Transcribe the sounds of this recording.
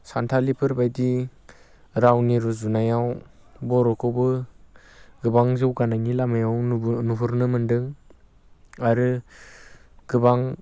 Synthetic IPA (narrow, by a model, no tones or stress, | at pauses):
santʰalipʰɯɾbajdi | ɾawniɾɔzunajaw | bɔɾɔkʰɔwbɯ | ɡɯbaŋzɯwɡanaŋilamajawnuɦuɾnɯmɯndɯŋ | aɾɯ | ɡɯbaŋ